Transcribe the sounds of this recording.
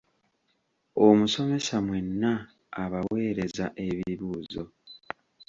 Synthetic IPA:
omuso̞me̞samwe̞nːaː | βawe̞ːɾe̞zaʔe̞βiiβuːzo̞̰

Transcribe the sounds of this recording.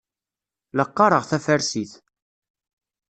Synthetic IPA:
ləqːɑɾˤəʁθæfæɾsiθ

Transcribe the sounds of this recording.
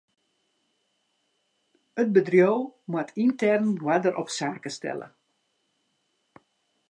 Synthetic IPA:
ət̚bədrjoːwmwatʰintɛrnwadəɾʔɔpsaːkəstɛ̰lə̰

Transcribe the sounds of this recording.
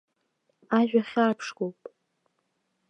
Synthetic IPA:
aʒᶣaχʲapʰʂɡowpʼ

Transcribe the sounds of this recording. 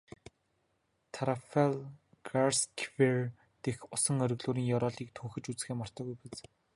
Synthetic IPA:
t̪ʰaɾafel | ɡarskʰwir | t̪exʊsə̆ŋœɾɵ̆ɣɮuːɾiːŋjɔɾɔːɮiːk̚t̪ʰuːxɘ̆t͡ɕut͡sxeːmɔr̥t̪ɔːɣujpat͡s

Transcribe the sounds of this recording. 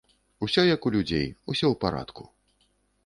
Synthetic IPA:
usʲɔjɐkulʲud͡zʲḛjusʲɔwpaɾa̰t̪ku̥

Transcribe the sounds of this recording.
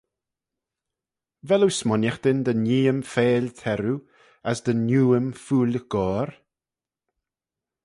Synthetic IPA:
vɛluwsmɔnjaxd̪ɪnd̪əniːəmfeːlt̪ʰɛɾu | asd̪ənjuːəmfuːlʲəɡ̥ɔːɾ

